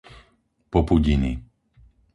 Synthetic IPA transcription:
pɔpuɟini

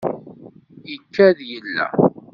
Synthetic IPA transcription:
jəkːæðjəlːæ̰

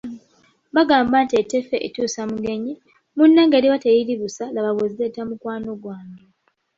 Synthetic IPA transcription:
βaɡaːmbantietːefeʔetuːsamuɡe̞ɲi | munːaŋɡeːɾiwatejiliβusalaβaβozetamukwaːnoɡwaːɲɡe

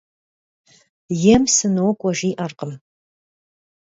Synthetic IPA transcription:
jɛmsɨnowkʷʼɔʒiːʔɐrqəm

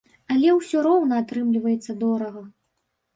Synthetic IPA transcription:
ɐlʲɛwsʲɔɾɔwnɐat̪ɾɨmlʲivɐjɛt̪sːɐd̪ɔɾɐɣɐ

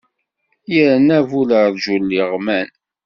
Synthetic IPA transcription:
jəɾnævuləɾðʒulːiʁmæn

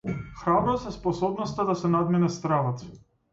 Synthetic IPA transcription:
xɾabɾɔsɛspɔsɔbnɔst̪ad̪asɛnad̪minɛst̪ɾalˠat̪

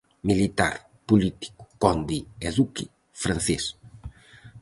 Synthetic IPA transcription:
milit̪a̰ɾ | pulit̪i̥ku̥kɔnd̪iezuki | fɾanθes

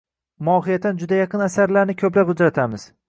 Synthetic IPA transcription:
mɒɦɪjat̪ːand͡ʒʊd̪ajɑqʰɨnasaɾlaɾnɪkʲʰɵplapʊd͡ʒɾat̪ʰamɪz̥

